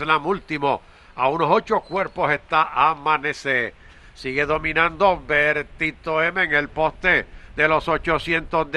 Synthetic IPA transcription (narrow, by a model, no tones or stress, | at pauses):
lamult̪imo | aunosot͡ʃokwe̞ɾpo̞sest̪aʔamãnese | siɣe̞ðo̞mĩnãnd̪o̞beɾt̪it̪oemeːŋelpo̞st̪ed̪e̞lo̞sot͡ʃo̞sjent̪ozd̪